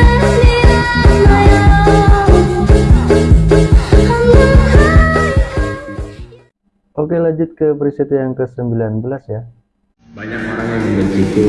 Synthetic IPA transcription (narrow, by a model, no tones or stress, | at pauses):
ʔokelad͡ʒʊt̪̚kəpəɾisit̪ujaŋkəsəmbilanbəlasja | baɲakaɾaŋɲaɡiɡait̪u